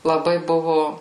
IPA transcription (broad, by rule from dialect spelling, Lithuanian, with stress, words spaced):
lˠɐˈbɐɪ ˈbʊʋʊ